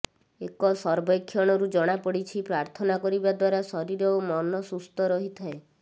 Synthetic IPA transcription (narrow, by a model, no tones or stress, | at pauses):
ekɔsɔɾbɔjkʰːjɔɽ̃ɔɾud͡ʒɔɽ̃apɔɽit͡ʃʰipɾaɾt̪ʰɔnakɔɾibad̪waɾasɔɾiɾɔmɔnɔsust̪ɔɾɔɦit̪ʰae